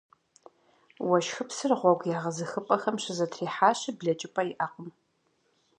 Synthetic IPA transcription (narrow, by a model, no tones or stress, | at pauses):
wɐʃxɨpsɨrʁʷɔɡʷjaːʁɐzɨxɨpʼɐxɐmɕɪzɐtʰriːħaːɕɪbɮɐt͡ʃʼɪpʼɐjiʔaːqʷʼʊm